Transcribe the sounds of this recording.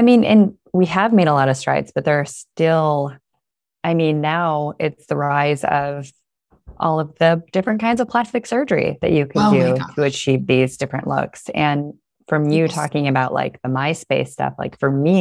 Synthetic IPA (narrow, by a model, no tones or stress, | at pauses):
aɪmĩnʔɨ̰̃n | wiəvmeɪɾəlɔɾʌv̥stɹ̥aɪtzb̥ʌt̪̚ðə˞stɪlˠ | ʔaɪmĩnːaʊɪtsðəɹaɪzʌ̰v̥ | ʔɔ̰lˠʌvðɨd̥ɪfɹɨ̃nkʰãɪ̃ndzʌv̥pʰl̥æstɨksɜ˞d͡ʒə˞ḭðɨ̰t͡ʃɨkʰɨdʉtʰɨɨt͡ʃʰivðizdɪfɹɨ̰̃nʔlʊ̰ksɨ̃n | fɹʌ̃mjɨtʰɔ̰kɪ̃ŋɨbaʊʔla̰ɪk̚ðəmaɪspeɪstʌ̰fla̰ɪkfə˞mi